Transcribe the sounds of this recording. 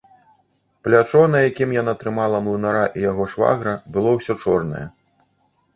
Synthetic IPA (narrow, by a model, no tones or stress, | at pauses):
plʲat͡ʂɔnɐjakʲimjanat̪ɾɨmalˠɐmlˠɨnaɾaʔijaɣɔʂva̰ɣɾɐbɨlˠɔwsʲɔt͡ʂɔrnɐ̰jɛ̰